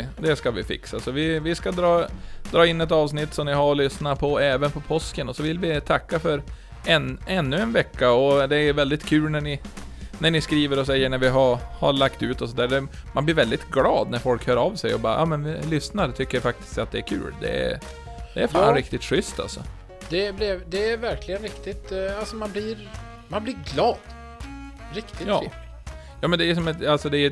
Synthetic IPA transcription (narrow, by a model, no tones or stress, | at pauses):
d̪ɛskavɪfɪ̰ksasɔvɪvɪskad̪ɾɑːd̪̥ɾɑːɪnːɛt̪ɑːvsnɪt̪ːsɔmnɪɦaɾɔlʏsnapʰɔɛːvənpʰɔpʰɔskənɔsɔvɪlvɪt̪ʰakːafœɾ | ɛnɛnːɵɛnvɛkːaɔd̪ɛævɛld̪ɪt̪kʰʉ̟ːlnæɳɪnæɳɪskɾiːvəɾɔs̬ɛjːəɳæɾvɪɦaha̰ɾlakt̪ʉːt̪ɔsɔnt̪ʰæːɖɛ | manblɪɾvɛld̪ɪt̪ɡlɑːd̪næɾfɔlkhøːɾavsɛjɔbɑːjɑ̰ːmɛnlʏsnaɾt̪ʰʏkːəɾjafak̚t̪ɪ̥st̪at̪̚d̪ɛːɾkʰʉ̰ːld̪ɛ̰æ̰ | d̪ɛæɾfaːnɾɪk̚t̪ɪt̪ɧʏst̪a̰lsɔ̰ | d̪̥ɛblɛvd̪ɛːɾvæɾklɪɡənɾɪkt̪ɪt̪alsɔmanbliɾ | manblɪɾɡlɑːd̪̥ | ɾɪkt̪ɪjɑ̰ː | jɑːmɛnd̪ɛʂɔmɛt̪alsɔd̪ɛː